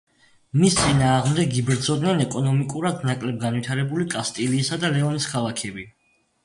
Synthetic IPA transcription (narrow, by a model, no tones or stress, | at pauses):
mist̪sʼinaːʁmd̪ɛɡibɾd̪zɔd̪nɛnɛkʼɔnɔmikʼuɾad̪nakʼlɛb̚ɡanvwit̪ʰaɾɛbulikʼast̪ʼiliːsad̪alɛɔniskʰalˠakʰɛbi